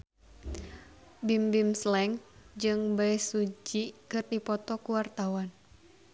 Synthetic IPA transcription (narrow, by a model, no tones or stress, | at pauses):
bimbimslɛŋd͡ʒɨŋbaɛsud͡ʒikɨrdipɔt̪ɔkuwart̪awan